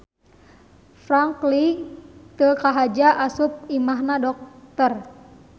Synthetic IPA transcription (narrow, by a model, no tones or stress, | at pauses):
fɾaŋklit̪əkaɦad͡ʒaʔasup̚imaɦnadɔk̚t̪ər